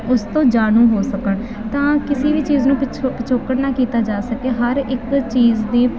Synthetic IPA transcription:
ʊst̪õːd͡ʒaːɽũːɦoːsəkəɳ | t̪ãːkɪsiːbiːt͡ʃiːznũːppət͡ʃʰoːkːəɽnaːkiːt̪aːd͡ʒaːsəkeːɦəɾɪkt͡ʃiːzd̪iː

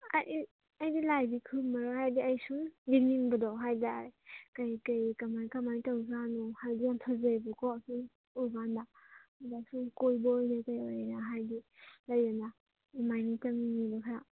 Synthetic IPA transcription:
aji | ɐjdilajdikʰɯmaɾɔhajdiajsuŋbiniŋbɯdɔɦajdaɾekajkajkamajkamantawzanɔhajdijant̪ʰɔzejbɔkɔsuŋ | uɡandamadasuŋkojbɔːjnakajojnaɦajdilajana | imajnitaŋinidɔkʰaja

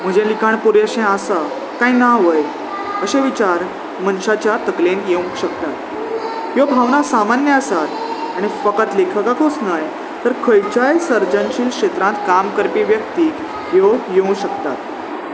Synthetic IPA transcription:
m̤əd͡ʑelikʰaɳpuɾjaɕẽəsa | kainaʋəj | əɕeʋit͡ɕaɾ | mənɕat͡ɕjat̪əklenjeũkɕəkt̪at̪ | jobʱaʋnasamanjəəsat̪ | aɽ̃ifəkət̪lekʰəkakʰot͡snaj | t̪əɾkʰəjt͡ɕajsəɾd͡ʑənɕiːlkɕet̪ɾãnt̪kamkəɾpiʋjəkt̪iːk | jojeũɕəkt̪a̰t̪̚

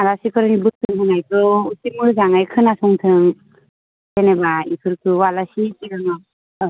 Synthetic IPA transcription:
aɾasikʰɯɾɯnibɯk̚tʰɯŋtʰɯŋajkʰɯusimɯzaŋajkʰɯnasɔŋtʰɯŋ | senebaikʰɯɾkʰɯwalasitiɡɯŋɯ

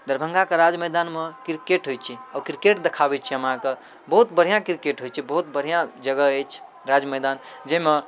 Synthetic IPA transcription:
d̪əɾbʱə̃ŋɡakeɾad͡ʒməjd̪anmekɾikeʈɦojt͡ʃʰiawkɾikeʈd̪ekʰabɛt͡ʃʰiɦəmɦãke | bəɦut̪bəɽ̤ijãkɾikeʈɦojt͡ʃʰibəɦut̪̚bəɽ̤ijãd͡ʒəɡəəjt͡ʃʰ | ɾad͡ʒməjd̪an | d͡ʒeme

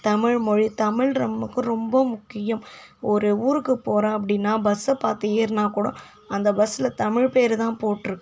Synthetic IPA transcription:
t̪ɐmɪɻmɔɻit̪ɐmɪɻɾɐmɯkːɯɾɔmbɐmʊkːɪjɐmɔɾɯuːɾɯkːɯpːoːɾãːɐp̬ːɐɽɪnːaːbɐsɐpaːɾt̪ɯeːɾnaːkuːɽɐ̰̃ | ɐnd̪ɐbɐsɪlɐt̪ɐmɪɻpeːɾt̪ãːpoːʈːɪɾɯkːɯ̃

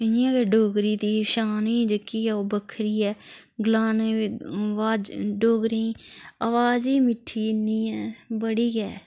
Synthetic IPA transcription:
əãːkeːɖoːɡɾiːt̪iːʃaːnĩːd͡ʒəkːiːɛːoːbəkʰɾiːɛː | ɡlaːneːʋaːd͡ʒɖoːɡɾẽːaʋaːd͡ʒiːmɪʈʰːiːɪniːɛːbəɽiːkɛː

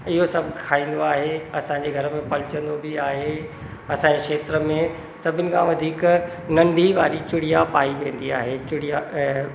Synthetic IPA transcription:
ɪɦosɐbʱkʰaːĩːn̆d̪oaːɦeɐsãɲd͡ʑeɡʱɐɾəmẽpɐlɪt͡ɕə̃nd̪obiaːɦe | ɐsãːɲekʃeːt̪ɾəmẽ | sɐbʱɪnɪ̆kʰãʋɐd̪ʱiːk | nɐ̃ɳɖʱiʋaːɾit͡ɕʊɽijapaːiʋẽːn̆d̪ia̰ːɦet͡ɕʊɽija

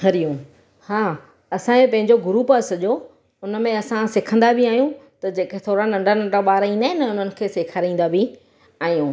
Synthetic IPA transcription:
ɦɐɾijũː | haː | ɐsãẽpɐ̃ɦɪ̃ɲd͡ʑoɡʊɾuːpasɐʄo | ʊnmẽɐsãseːkʰə̃nd̪abʱiaːɦijũt̪ɐd͡ʑeːkt̪ʰoːɽanɐ̃ɳɖanɐ̃ɳɖaɓaːɾaĩnd̪aːɦɪnɐʊn̤ənɪ̆kʰeːseːkʰaɾaĩːnd̪abʱi | aːɦijũː

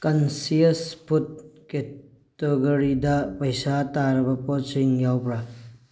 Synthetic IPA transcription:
kɐnsijɐspʰut̚ke | teɡɐɾidɐpɐjsataɾɐbɐpɔsiŋjawbɾa

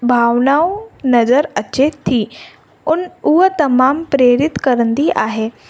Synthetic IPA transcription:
bʱaːʋnaonɐzəɾɐt͡ɕet̪ʰiː | ʊnuɦt̪ɐmaːmpɾeːɾɪt̪kɐɾənd̪iʔa̰ːɦeː

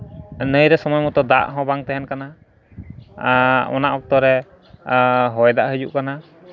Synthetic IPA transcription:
nəjɾɛsɔmɔjmɔt̪ɔd̪a̰ʔɦɔ̃baŋt̪ɛɦɛnkana | ɔ̰naʔɔk̚t̪ɔɾɛ | ɦɔjd̪aʔɦəd͡ʒuʔkana

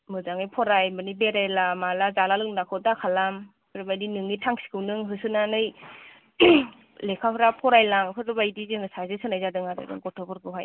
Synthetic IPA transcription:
mɯzaŋɯjpʰɔɾajmɯnibeɾajlamalazalalɯŋnakʰɯdakʰalam | pʰɯɾɯbajdinɯŋitʰaŋsi̥kʰɯwnɯŋɦɯsɯnanɯj | lekʰapʰɯɾapʰɔɾajlaŋpʰɯɾɯbajdizɯŋɯsazɯsɯnajzadɯŋaɾɯ̰dɯ̰ŋɡɔtʰɔbɔɾɡɯɦaj

